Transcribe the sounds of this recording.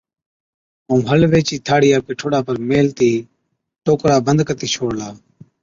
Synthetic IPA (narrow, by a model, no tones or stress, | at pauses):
ũːɦəlʋeːt͡ʃiːt̪ʰaːɽɪjaːpeːʈʰoɽaːpəɾmeːlt̪iː | ʈoːkɾaːbənd̪kət̪iːt͡ʃʰoːɽlaː